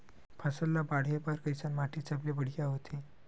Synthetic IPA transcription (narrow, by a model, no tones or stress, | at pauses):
pʰasəllːabaɽ̤epaɾkəjsanmaʈʰit͡sablebəɽ̤kaɦot̪ʰe